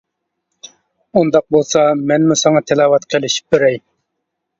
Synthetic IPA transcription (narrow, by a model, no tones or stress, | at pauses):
und̪ɑq̚bolˠsɑmɛnmusɑŋɑt̪ʰelˠɑːwɑt̪qʰelɪʃi̥p̚beɾɛj